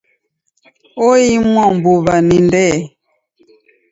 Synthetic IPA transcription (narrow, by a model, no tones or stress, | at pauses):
oimwɔmbuβanindɛ